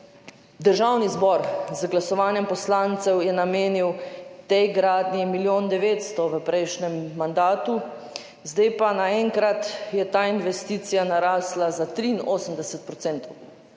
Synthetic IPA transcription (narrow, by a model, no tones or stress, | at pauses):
d̪əɾʒaːwnizbɔɾzɡlasɔʋaːnjɛmpɔslaːnt̪sɛwjɛnameːniwt̪ɛjɡɾaːd̪nimiljoːnd̪ɛʋeːt̪st̪ɔʋəpɾɛjʃnɛmːand̪aːt̪u | zd̪ejpanaɛŋkɾat̪jɛt̪aːinʋɛst̪iːt̪sijanaɾaːslazat̪ɾiːnoːsəmd̪ɛsɛt̪̚pɾɔt̪sɛnt̪ɔw